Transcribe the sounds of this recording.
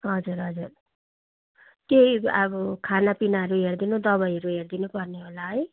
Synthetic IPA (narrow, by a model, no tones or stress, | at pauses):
ɦʌd͡zuɾɦʌd͡zur | keɦiabʌkʰanapinaɦʌɾuɦerd̪inud̪ʌβʌjʌɾuɦerd̪inupʌrneɦolaɦʌj